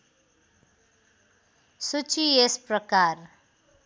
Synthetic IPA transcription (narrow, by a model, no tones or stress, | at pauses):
sut͡ʃiesprʌkar